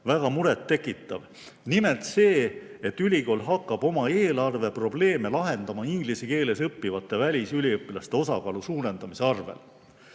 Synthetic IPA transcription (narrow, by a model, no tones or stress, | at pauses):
væɡ̥ɑmuɾet̪ːe̞kːˑit̪ːˑɑv | nime̞lt̪se̞ː | et̪ːylʲiko̞ːlɦɑkːˑɑb̥o̞mɑe̞ːlɑrve̞pro̞ble̞ːmelɑɦe̞nd̪̥ɑmɑiŋɡ̥liseke̞ːle̞sɤpːivɑt̪ˑːe̞vælʲisylʲiɤpːˑilɑst̪e̞o̞sɑkɑlusuːɾe̞nd̪ɑmise̞ɑrvḛl